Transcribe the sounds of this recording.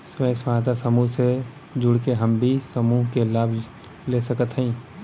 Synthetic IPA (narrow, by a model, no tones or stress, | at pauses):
swəjswat̪asəmuɦse | d͡ʒuɽkeɦəmbʱisəmuɦkelaːbʱ | lesəkət̪ɦə̃ĩ